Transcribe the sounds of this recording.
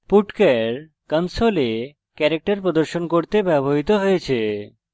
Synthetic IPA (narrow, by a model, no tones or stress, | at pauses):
puʈkeɾ | kənsole | kɛɾek̚ʈaɾpɾod̪oɾʃonkoɾt̪ebɛboɦit̪oɦojet͡ɕʰe